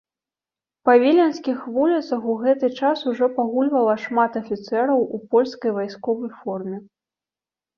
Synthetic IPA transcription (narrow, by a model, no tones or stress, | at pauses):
pɐvʲilʲɛnskʲixvulʲit̪sɐxuɣɛt̪ɨt͡ʂasuʐɔpaɣulʲvɐlˠɐʂmat̪ɐfʲit̪sɛɾɐwʔupɔlʲskɐjvajskɔvɐjfɔrmʲɛ